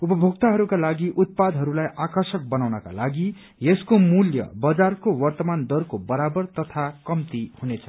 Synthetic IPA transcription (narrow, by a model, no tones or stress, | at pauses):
upʌbʱokt̪aɦʌɾukalaɡiʔut̪̚pad̪ɦʌɾulajʔakʌrsʌk̚bʌnawnʌka̰laɡi | jeskomuljʌ̰bʌd͡zarkowʌrt̪ʌmand̪ʌrkobʌɾabʌrt̪ʌt̪ʰakʌmt̪ihunet͡sʰʌ